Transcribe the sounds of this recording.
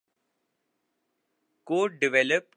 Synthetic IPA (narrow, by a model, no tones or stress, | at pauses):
koːɖɪʋɛləp̚